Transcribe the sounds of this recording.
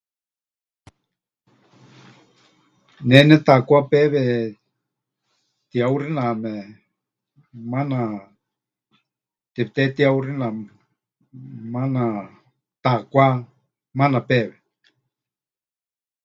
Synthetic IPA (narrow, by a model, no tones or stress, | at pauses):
nɛnɛt̪akʷapɛβɛ | t̪iawɾinãmɛ | mana | t̪it̪ɛt̪iawɾinã | mana | t̪akʷa | manapɛβɛ